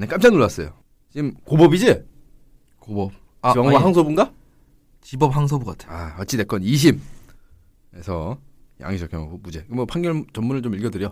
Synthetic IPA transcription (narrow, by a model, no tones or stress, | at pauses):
nek͈amt͡ɕ͈anuɭːas͈ʌjo | t͡ɕimkobʌbid͡ʑe | kobʌp̚ | aiaŋaɦaŋsʰʌbunɡa | t͡ɕibʌp̚haŋs̬ʰʌbuɡa̰tʰe̥aʌt͡ɕ͈ʰide̞k͈ʌniɕ̬ʰim | esʰʌ | ja̰ŋiɕʰʌk͈ʰʌmud͡ʑe̞kɯmʌpʰanɡjʌɭt͡ɕʌmːunɯɭt͡ɕomiɭɡjʌdɯɾjʌ